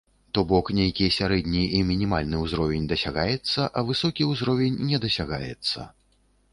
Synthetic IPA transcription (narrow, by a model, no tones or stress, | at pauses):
t̪ɔbɔknʲejkʲijsʲaɾɛd̪ʲnʲiimʲinʲimalʲnɨwzɾɔvʲɛnʲd̪ɐsʲaɣajɛt̪sːɐʔɐvɨsɔkʲiuwzɾɔvʲɛnʲnʲɛd̪ɐsʲaɣa̰jɛ̰t̪sːɐ̰